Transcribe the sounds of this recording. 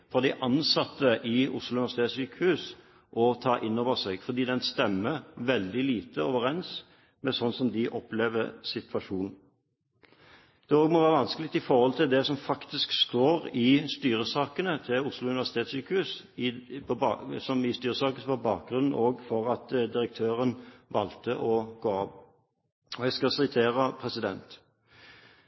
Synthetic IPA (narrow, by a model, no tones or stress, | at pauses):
fɔʁd̪ɪʔɑnsɑt̪ːəʔɪʊslʊʉnɪʋæsɪt̪ʰeːt̪syːkəhʉːs | ʔɔt̪ʰɑːʔɪnːoːʋəʁsɛɡfɔʁd̪iːd̪ɛnst̪ɛmːəʋɛld̪ɪliːt̪əoːʋəɾɛns | mɛsɔnsɔmd̪ɪʔɔpleːʋə̰sɪt̪ʰʋɑʂuːnn̩ | d̪̥ɛoːɡmɔʋæːʁəʋɑnskəlɪt̪ɪfɔɾhɔlt̪ʰɪld̪ɛsɔmfɑkt̪ɪskst̪oːɾɪst̪yːɾəsɑːkənət̪ʰɪʊslʊʉnʋæʂsɪt̪ʰeːt̪syːkəhʉːs | pʰɔsɔmɪst̪yːɾəsɑːkəsʋɑbɑ̰ːk̚ɡʁʉnn̩ʔoːɡfɔʁɑt̪d̪ɪɾək̚t̪ʰøːʁənʋɑlt̪əʔɔɡoːɑːp | ɔjæɡskɑsɪt̪ʰeːɾəpʰʁɛsɪd̪ɛnt̪